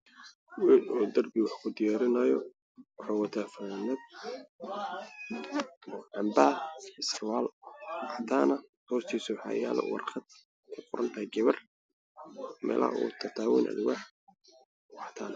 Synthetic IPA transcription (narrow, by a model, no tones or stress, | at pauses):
wʊːd̪ɔːd̪ɐrbɪwɑħkʰʊd̪ɪjaːɾɪnɐjɔ | wɑħɑːwɐt̪ʰafɐnɛd̪̚ | ʕɑmbaːhɪsrwaːlwɑħt̪ʰaːnɐhɔːst̪ʰiːsʊwɑħɑ̰ːjaːlɛ̰wɑ̰rχɑd̪̥̚ | kʰʊqʊɾʔɐnt̪ʰaːɡɛβɐr | mɛ̰ːlɐ̰ʔɔ̰ːt̪ʰɐt̪ʰaːwḭːnʔɐ̰d̪waːħ | wɑħt̪ʰaːnɐ